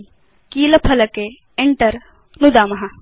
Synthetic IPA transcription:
kiːlɐpʰɐlɐke | eɳʈɐɾ | nud̪aːmɐɦɐ

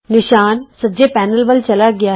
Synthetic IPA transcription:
nɪʃaːnsəd͡ʒeːpɛːnəlʋəlt͡ʃəlaːɡɪaː

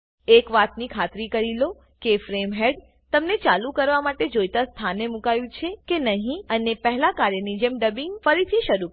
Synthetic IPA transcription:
ekʋat̪nikʰat̪ɾikəɾilo | kefɾemɦeɖ | t̪əmnet͡ʃalũkəɾʋamaʈed͡ʒojt̪ast̪ʰanemũkajũt͡ʃʰekenəɦĩənepɛɦɛlakaɾjənid͡ʒemɖəbiŋɡfəɾit̪ʰiʃəɾu

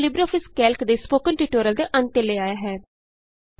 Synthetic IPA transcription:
lɪbɾɔːfɪskɛːlkd̪eːspoːkənʈiʈoːɾəld̪eːʔə̃nt̪eleːaːjaːɦɛː

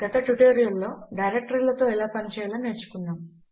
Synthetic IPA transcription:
ɡ̥ɐt̪ɐʈuʈeːɾijɐlːo̞ːɖɐjɾek̚ʈɐɾlɐt̪o̞ːilaːpɐɲt͡ʃɛːjlɐneːt͡ʃːu̥kunːaːm

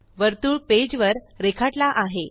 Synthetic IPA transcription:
ʋəɾt̪uːɭped͡ʑʋəɾ | ɾekʰaʈlaʔaɦe

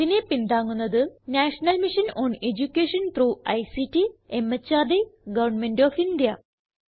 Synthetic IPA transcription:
tinepind̪aːŋːunːɐðɨnaːʂɐnɐlmiʂɐnoːned͡ʑukʲːeːʂɐnt̪ruːɐjsitiemːɐt͡ɕːaːd̪eɡɐʋɐɳmenɖoːfind̪jɐ

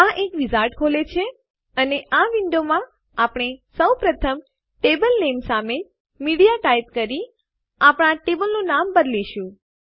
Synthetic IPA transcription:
aʔekʋizaɾʈkʰolet͡ʃʰe | əneʔaʋɪɳɖomã | apɽ̃esəwpɾət̪ʰəm | ʈebəlnemsame | miɽijaʈajt̪̚kəɾi | apɽ̃aʈebəlnunambəd̪liʃũ

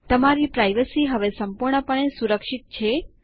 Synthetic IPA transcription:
t̪əmaɾipɾajʋəsiɦəʋesəmpuɾɳəpəɳ̃esuɾəkʃit̪̚t͡ʃʰe

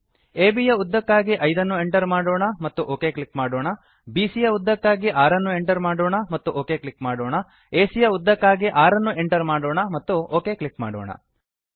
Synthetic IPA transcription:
eːbijɐud̪ːɐkːaːɡiʔɐjd̪ɐnːue̞ɳʈɐɾmaːɽoːɳɐmɐt̪ːuʔoːke̞ːkɭikmaːɽoːɳɐ | biːsijɐud̪ːɐkːaːɡiʔaːɾɐnːue̞ɳʈɐɾmaːɽoːɳɐmɐt̪ːuʔoːkeːkɭikmaːɽoːɳɐ | eːsijɐud̪ːɐkːaːɡiʔaːɾɐnːuʔe̞ɳʈɐɾmaːɽoːɳɐmɐt̪ːuoːke̞ːkɭikma̰ːɽo̰ːɳɐ̰

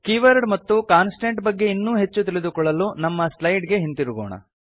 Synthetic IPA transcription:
kiːʋɐɾɖmɐt̪ːukaːnsʈeɳʈbɐɡːe̞inːuːɦe̞t͡ʃːut̪ilid̪ukɔɭːɐlunɐmːɐslɐjɖɡe̞ɦint̪iɾuɡoːɳɐ̰

